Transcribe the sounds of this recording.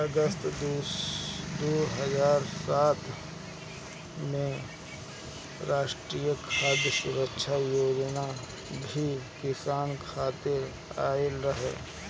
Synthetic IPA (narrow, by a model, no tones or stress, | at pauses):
ɐɡəst̪ | d̪oːɦəzaːɾsaːt̪ | mẽ | ɾaːʃʈɾiːjəkʰaːd̪jəsuɾəkʃʰajoːd͡ʒna | bʱikɪsaːnkʰaːt̪ɪɾ | a̰ːɪlɾəɦḛː